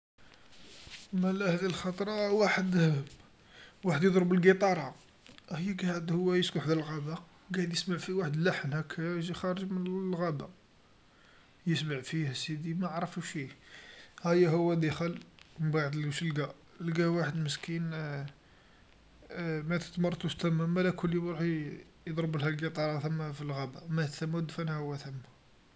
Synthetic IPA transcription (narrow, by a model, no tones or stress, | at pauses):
mælæhæd̪ilxɑt̪ˤɾˤɑwaħəd̪ | waħəd̪jd̪ˤɾbəlɡit̪ˤɑɾˤɑ | həjːæɡæʕəd̪hʊwːæjəskuħd̪əlɣæbə | ɡæjəd̪jəsmaʕfiwaħəd̪laħənhækʰːæjʒixɑɾˤəʒmənlɣæbæq | jəsmaʕfihæsid̪imæʕɾˤəfuʃi | hæjːæɦəwːæd̪əxəlməbaʕəd̪lʃəlɡæ | lɡæwaħəd̪məskʰin | mæt̪ə̥t̪mɑrˤt̪ˤuʃt̪æmːæmælækʰʊliɾuħ | jəd̪ˤɾəbəlhælɡit̪ˤɑɾˤɑθəmːæfilɣæbæmæt̪θæmːæd̪fænæhəwːæt̪θəmːæ